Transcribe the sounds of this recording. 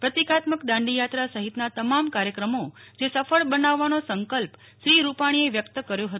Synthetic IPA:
pɾət̪ikat̪məkd̪ãɳɖijat̪ɾasəɦit̪nat̪əmamkaɾjəkɾəmod͡ʒesəfəɭbənaʋːanosəŋkəlp | ʃɾiɾupaɽ̃ieʋjəkt̪əkəɾjõɦət̪

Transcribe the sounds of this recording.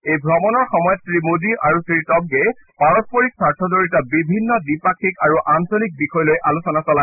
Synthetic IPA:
ejbʱɹɔmɔnɔɹxɔmɔjɔttɹimudiʔaɹusiitɔb̚ɡe | paɹɔspoɹiksaɹtʰɔzoɹitabibʱinːɔdipakʰikaɹuʔansolik̚bixɔjɔlojʔalusɔnasɔla

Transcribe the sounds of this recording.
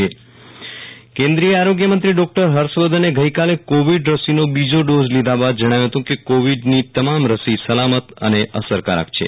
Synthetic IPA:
e | kẽnd̪ɾijəaɾoɡjəmənt̪ɾiɖɔk̚ʈəɾɦəɾʃʋəd̪ʱəneɡəjkalekoʋiɖɾəsinobid͡ʒoɖozlid̪ʱabad̪̚d͡ʒəɽ̃aʋjũɦət̪ũkekoʋiɖnit̪əmamɾəsisəlamət̪ə̰neʔəsəɾkaɾa̰kt͡ʃʰḛ

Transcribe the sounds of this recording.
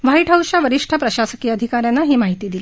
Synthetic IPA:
ʋaiʈʰəwɕaʋəɾiʂʈʰapɾəɕasəkiːəd̪ʱikaɾjanːaɦiːmaɦit̪iːd̪ili

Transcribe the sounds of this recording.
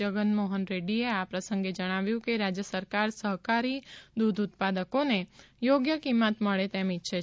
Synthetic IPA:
əɡənmoɦənɾeɽieapɾəsə̃ŋɡed͡ʒəɽ̃aʋjũkeɾad͡ʒjəsəɾkaɾsəɦkaɾid̪ud̪ʱut̪̚pad̪əkonejoɡjəkimət̪məɭet̪emitːʃʰe

